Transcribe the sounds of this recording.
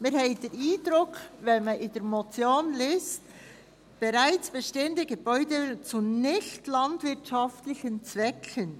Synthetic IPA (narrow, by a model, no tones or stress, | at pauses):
mɪːɾhɛɪd̥ɛɾiːdɾʊkʰvɛnmaʔɪdɛɾmot͡sjoːnlɪst | b̥eɾaɪt͡sb̥ɛʃteːəndəɡəbɔʏdət͡sunɪçtlɑntvɪɾtʃɑftlɪçənt͡svɛkʰən